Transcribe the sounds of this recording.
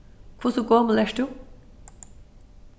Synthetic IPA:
kʰusukoːmlɛʂʈu

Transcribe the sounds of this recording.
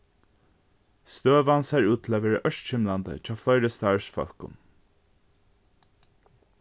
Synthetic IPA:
st̪øːʋansæɹuːt̪ʰlaʋɛːɹəʔœʃt̪c͡çɪmland̪ə̰t͡ʃʰɑːflɔɪɾəst̪ɑɹsfœ̰l̥kʊ̰n

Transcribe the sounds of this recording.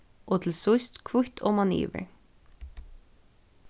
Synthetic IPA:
ʔɔt̪ʰɪlsʊst̪kʰvʊht̪ʰɔmanḭːvə̰ɹ

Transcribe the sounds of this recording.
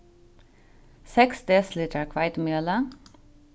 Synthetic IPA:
sɛksd̪eslit̪ʰəɹkʰʋaɪt̪mjøːlə

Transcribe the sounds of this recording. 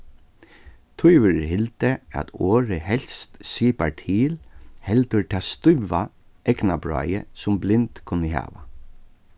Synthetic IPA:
t̪ʰʊjʋʏɾɦɪlt̪əæ̰t̪oːɹəhɛl̥st̪siːpaɹʈ̪ʰiːlhɛlt̪əɹt̪ʰaːst̪ʏʋːa | ʔɛknabɹɑ̰ːjə̰sʊmblɪnt̪kʰʊnːəɦa̰ːʋa

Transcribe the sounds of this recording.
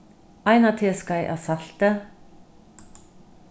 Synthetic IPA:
ajnat̪ʰɪskajʔa̰saɬt̪ə

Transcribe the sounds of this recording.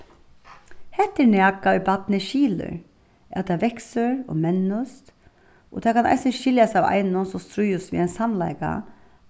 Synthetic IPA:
hɛht̪ːɪnæːkaʊjbat̪̚nɪʃiːlʏ̰ɾ | ɛ̰t̪ʰaʋɛksəɹɔ̰mɛnːʊst̪ | ɔt̪ʰakʰana̰ɪsənʃɪljasaʋa̰ɪnʊnsɔmst̪ɾʊjʊsʋḭːaɪnsamlaɪka̰

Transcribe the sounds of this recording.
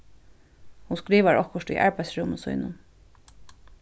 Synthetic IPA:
hunskɾiːʋaɹɔhkʊʃt̪ṵjʔa̰ɹpæjsɹʊːmʊsṵjnʊ̰n

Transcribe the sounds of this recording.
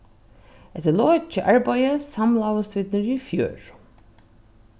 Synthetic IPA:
ɛt̪ɪlɔːt͡ʃəʔaɹbajəsamlawəst̪vɪt̪nɪɹifjø̰ːɹ

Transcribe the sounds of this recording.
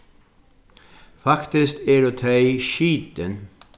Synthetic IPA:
fɑkt̪ɪst̪æːɾoːt̪ʰɑɪʃiːt̪ən

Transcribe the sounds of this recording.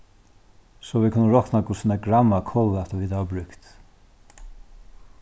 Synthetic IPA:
sɔʋikʰʊnːəɹɔknakʰʊsɪnɛɡɾamːakʰɔlɛt̪aʋiːd̪aʋabɾʏkt̪

